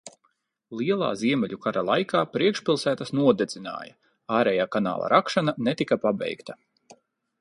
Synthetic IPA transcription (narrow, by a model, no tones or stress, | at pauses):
lˠiɛlˠa̰ːziɛmʲɛʎʲukaɾalˠajkʰaːpɾiɛkʃpʲilˠsæːt̪asnuɔd̪ezʲina̰ːja | aːɾɛjaːkana̰ːlˠa̰ɾʔakʃananet̪ikapabɛ̰jkt̪a